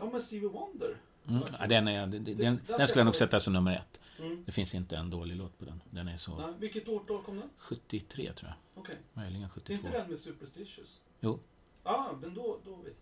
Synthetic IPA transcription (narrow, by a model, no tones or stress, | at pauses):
ɑmɛnsivəwɔnd̪əɾ | m̩ːa̰d̪ɛnæd̪ɛɛd̪ɛnɛnkɵljanuːɡsɛt̪ːasɔmnɵmːəɾɛ̰t̪ːd̪ɛfɪnsɪnt̪əɛnd̪oːlɪɡloːt̪pʰɔd̪ɛ̰nd̪ɛnæɾʂɔvɪkːət̪oːʈɛːlkʰɔmnaɧɵt̪ːɪt̪ʰɾḛːt̪ʰɾṵːja̰ɔkʰɛmœʏjlɪɡənɧɵ̥t̪ːɪɪnvod̪ɛnmɛsʉːpəɾst̪ɪʂʉs | juː | ɑmɛnd̪ɔd̪ɔvḛt̪